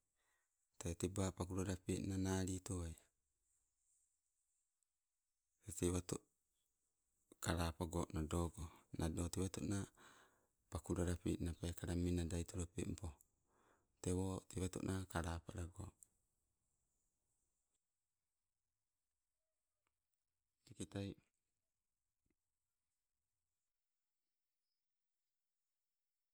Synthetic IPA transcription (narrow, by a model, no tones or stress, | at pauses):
tetebapakuɾaɾapeʔnanaɾitoaj | teteβato | kaɾapaɡoʔnadoɡonʔadoteβato̰na | pakuɾaɾapḭʔnapajkaɾaminadajtoɾopḛmpo | tewotiβato̰ʔnʔakaɾapaɾaɡo̰ | ikitaj